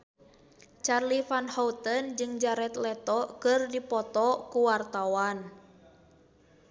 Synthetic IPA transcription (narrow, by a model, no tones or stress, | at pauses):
t͡ʃarlifanhɔut̪ənd͡ʒɨŋd͡ʒaɾɛt̪lɛt̪ɔkɨrdipɔt̪ɔkuwart̪awan